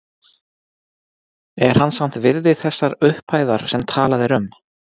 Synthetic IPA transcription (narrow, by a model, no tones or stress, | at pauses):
ɛɾ̥hanːsam̥t̪vɪɾðɪθɛsːaɾʏhpaːjðaɾ̥sɛmt̪ʰaːlaðɛɾʏm